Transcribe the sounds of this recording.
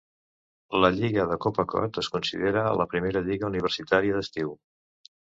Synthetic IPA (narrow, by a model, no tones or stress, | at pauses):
ləʎiɣəðəkɔpəkɔ̰t̪əskunsḭðeɾələpɾimeɾəʎiɣəuniβ̞əɾsit̪aɾiəðəst̪iw